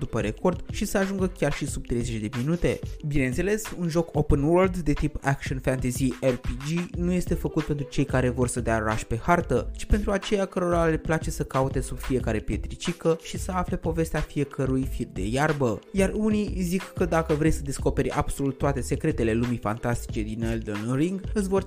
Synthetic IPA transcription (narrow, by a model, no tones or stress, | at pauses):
d̪upəɾe̞ko̞rd̪̥ʃisəaʒuŋɡəkʲarʃisub̚t̪ɾe̞jze̞t͡ʃʲd̪e̞minut̪e̞bine̞nt̪se̞le̞sunʒo̞kopənwəld̪d̪e̞t̪ipakʃonfænt̪ezierpid͡ʒinuje̞st̪e̞fəkut̪̚pe̞nt̪ɾut͡ʃe̞jkaɾe̞vo̞rsəd̪eao̞ɾa̰ʃpe̞hart̪ət͡ʃi̥pe̞nt̪ɾuat͡ʃe̞jakəɾo̞ɾale̞plat͡ʃe̞səkaut̪e̞sub̥fije̞kaɾe̞pje̞t̪ɾit͡ʃikəʃisəafle̞po̞ve̞st̪eafie̞kʰəɾujfird̪e̞̰jarbəjarunizikːəd̪akəvɾe̞jsəd̪e̞sko̞pe̞ɾʲa̰b̥so̞lut̪ːoat̪e̞se̞kɾe̞t̪e̞le̞lumijfa̰nt̪ast̪i̥t͡ʃe̞d̪ineld̪onriŋɡɨsʲvo̞r